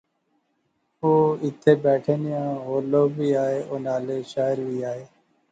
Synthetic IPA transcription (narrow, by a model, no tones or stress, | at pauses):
oːɪt̪ʰeːbɛːʈʰeːnɪjãːɦoːloːbiːaːɦeːʔoːnaːleːʃaːəɾʋiːaːɦeː